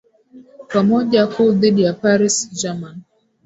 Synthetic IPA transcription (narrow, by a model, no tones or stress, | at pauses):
pamɔʄakuðiɗijapaɾisd͡ʒaman